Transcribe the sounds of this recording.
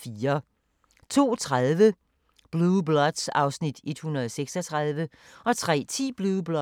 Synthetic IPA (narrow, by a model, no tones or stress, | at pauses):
fiːɐ | t͡sʰo̝̰ːt͡sʰʁaðˠʋə | b̥lublɒ̽d̥sɑ̈ʊsnid̥e̝d̥hunʁɐðˠɒseɡ̥sɒt͡sʰʁɑðˠʋə | ɒ̽t͡sʰʁɛ̰ːt͡sʰḭːb̥lub̥lɒ